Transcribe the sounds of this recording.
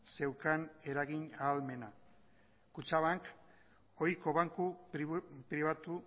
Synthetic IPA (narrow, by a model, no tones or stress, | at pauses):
se̞wkane̞ɾaɣiɲaːlme̞na | kut͡ʃaβaŋk | o̞jko̞βaŋku | pɾiβat̪u